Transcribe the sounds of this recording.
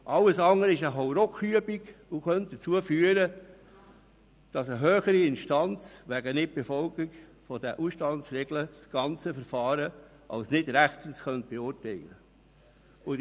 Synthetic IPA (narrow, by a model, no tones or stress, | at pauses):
ʔɑlːəsɑŋəɾɪʃəɦowɾɔkyəbiɡʊxœnt̚d̥ət͡suəfyəɾə | d̥ɑsəɦøːχəɾiɪnʃtɑnt͡sʋæɡənɪt̚b̥efɔlɡiɡfɔdɛʔuʃtɑnsɾɛɡləsɡ̥ɑnt͡səfəɾfɑːɾə | ʔɑ̰lsnɪdɾæχtənsxœnt̚b̥eʊɾtɛɪlə | ʊ